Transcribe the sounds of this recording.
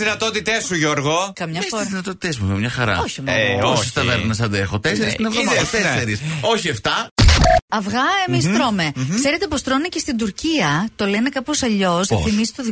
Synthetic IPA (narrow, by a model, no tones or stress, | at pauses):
ðinɐt̪ot̪it̪esuʝoɾɣo̞kɐmɲɐesozðinɐt̪ot̪i̥t̪esmuvemɲɐxɐɾɐ̰oçimosist̪ɐveɾmnɐsɐd̪exot̪eseɾisinevðomst̪esseɾiso̞çieft̪ɐ | ɐfɣɐemist̪ɾome̞ksse̞ɾet̪epo̞st̪ɾonicest̪ind̪uɾciɐt̪o̞le̞nekɐposɐʎo̞snɐθimisi̥t̪oði